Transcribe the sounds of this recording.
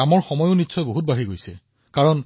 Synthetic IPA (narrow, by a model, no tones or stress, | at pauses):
amɔɹxɔmɔjoʊnitsɔjboɦut̚baɦiɡojsɛ | kaɹɔn